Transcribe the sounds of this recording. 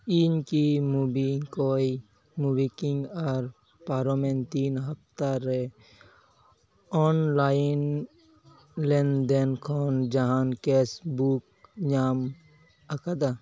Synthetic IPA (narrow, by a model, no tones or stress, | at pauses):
inkimubikɔj | mubikiŋɡaɾ | paɾɔment̪inɦəp̚t̪aɾɛ | ɔnlajn | lɛnd̪ɛnkʰɔnd͡ʒaɦankesbuk̚ | ɲam | akad̪a